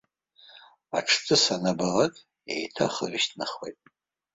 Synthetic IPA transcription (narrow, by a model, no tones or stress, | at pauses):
aʈ͡ʂʰt͡sʰɨsanabalatʼ | ḛjtʰa̰χəriʃtʰnaχwejtʼ